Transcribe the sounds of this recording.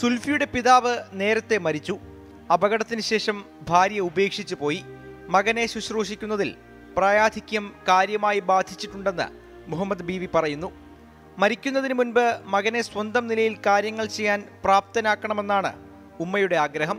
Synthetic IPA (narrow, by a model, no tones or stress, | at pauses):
sulfijuɽe̞piðaːʋɨne̞ːɾɐt̪ːe̞mɐɾit͡ɕːu | ɐbɐɣɐɽɐt̪ːinɨɕe̞ːʂɐm | bʱaːɾjɐube̞ːkʂit͡ɕːupo̞ːjimɐɣɐne̞ɕuɕroːʂikʲːunːɐðil | praːjaːd̪ʱikʲːɐmkaːɾjɐmaːjibaːd̪ʱit͡ɕːiʈːuɳɖe̞nːɨ̰ | muɦɐmːɐd̪biːʋipɐrɐjunːu | mɐɾikʲːunːɐðinɨmunbɨmɐɣɐne̞swɐnd̪ɐmnilɐjilkaːɾjɐŋːɐɭt͡ɕe̞jːaːnpraːp̚t̪ɐnaːkːɐɳɐme̞nːaːɳɨ̰ | umːɐjuɽe̞aːɡɾɐɦɐm